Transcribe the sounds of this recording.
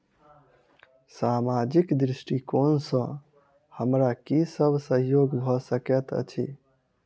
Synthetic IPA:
samad͡ʒikd̪ɾisʈikonsə̃ | həmɾakisəbʱsəɦjoɡbʱɔsəket̪ə̰t͡ʃʰḭ

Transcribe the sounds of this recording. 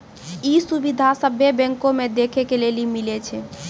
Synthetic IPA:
isubid̪ʱasəbʱebɛ̃ŋkomed̪ekʰekelelimilet͡ʃʰɛ

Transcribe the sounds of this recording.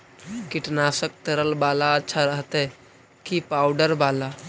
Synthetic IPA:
kɪʈnaːsək̚t̪əɾəlbaːlaətːʃʰaɾəɦt̪ɦɛ | kipaːʊɖəɾbaːla

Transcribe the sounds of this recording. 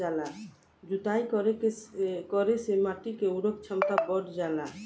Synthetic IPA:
ala | d͡ʒut̪aikɾeekɔɾesemaʈikeuɽəkt͡ʃʰəmt̪abəɽd͡ʒala

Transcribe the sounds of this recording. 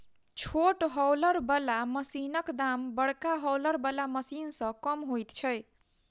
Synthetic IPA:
t͡ʃʰoʈɦʌwlʌɾbʌlamʌsinʌkd̪ambʌɽkaɦʌwlʌɾbʌlamʌsinsʌ̃kʌmɦojt̪t͡ʃʰʌj

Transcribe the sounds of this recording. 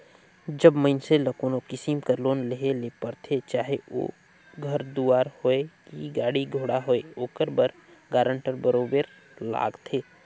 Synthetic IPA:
d͡ʒəbməɪnseləkoːnokɪsimkəɾloːnleɦeleːpəɾt̪ʰet͡ʃaːɦeo̰ː | ɡʱɐɾd̪uːaːɾhoekiɡaːɽiɡʱoːɽaɦoeoːkəɾbəɾ | ɡaːɾə̃ɳʈəɾbəɾoːbəɾ | la̰ːɡt̪ʰeː

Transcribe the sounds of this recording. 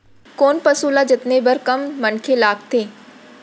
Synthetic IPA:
koːnpɐsuːlad͡ʒɪt̪nebɐɾkɐmːɐnkʰelaːk̚t̪ʰeː

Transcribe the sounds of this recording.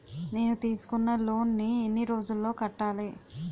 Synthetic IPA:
ne̞ːnut̪iːsu̥kunːɐlo̞ːnːienːiɾo̞ːd͡ʒulːo̞ːkɐʈːaːli

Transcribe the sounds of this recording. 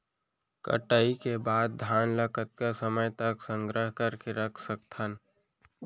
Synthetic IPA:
kə̰ʈəikebaːd̪̚d̪ʱjaːnləkʰət̪̚kasəməjt̪əksə̃ŋɡɾəɦkəɾkeɾəkʰsək̚t̪ʰən

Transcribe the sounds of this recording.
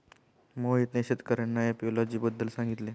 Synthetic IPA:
moɦit̪neɕet̪kəɾənːajapolɔd͡ʑiːbəd̪ːəlsãŋɡit̪le

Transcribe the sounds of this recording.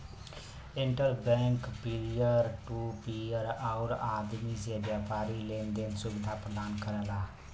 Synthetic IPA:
eɳʈəɾbɛŋkpiljəɾʈupijəɾaʊɾad̪misebjapaɾilend̪ensubɪd̪ʱapɾəd̪aːnkəɾɛla

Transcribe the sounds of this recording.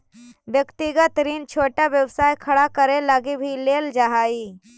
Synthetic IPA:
bjəkt̪ɪɡət̪ɾiːnt͡ʃʰoːʈaʋjəwsaːjkʰɐɽakəɾelaɡibʱileːld͡ʒaɦaːi

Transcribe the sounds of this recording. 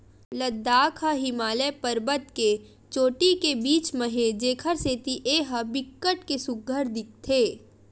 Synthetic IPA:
lɐd̪ːaːkʰaɦɪmaːlepɐɾbət̪ke | t͡ʃoːʈikebiːt͡ʃməɦed͡ʒeːkʰəɾset̪iʔeːɦɐbɪkːəʈkesʊɡʱəɾd̪ɪk̚t̪ʰeː

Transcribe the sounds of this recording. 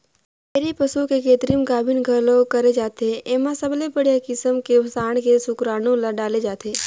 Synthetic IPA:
meːɾipəsukekeːt̪ɾimɡaːbʱɪnɡʱəlokɐɾed͡ʒaːt̪eeːmãsəblebəɽjakɪsəmkesaːɳ̃kesʊkɾaːnõlaɖaːled͡ʒaːt̪ʰeː

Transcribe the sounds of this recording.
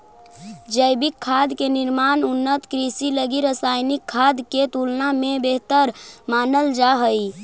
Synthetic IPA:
d͡ʒəjbikʰːad̪ʱkeniɾmanunːət̪kɾisiləɡiɾəsajnikʰːad̪ket̪ulnamebeɦt̪əɾmanəld͡ʒaɦəj

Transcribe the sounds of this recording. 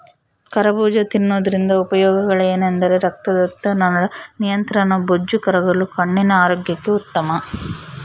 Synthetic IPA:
kɐɾɐbuːd͡ʒɐt̪inːoːd̪ɐɾind̪ɐupɐjɔːɡɐɡɐɭeːnend̪ɐɾeɾɐk̚t̪ɐd̪ɐt̪ːɐnɐɐnijɐnt̪ɾɐnɐbod͡ʒːukɐɾɐɡɐlukɐɳːinɐaːɾoːɡjɐkːeut̪ːɐmɐ

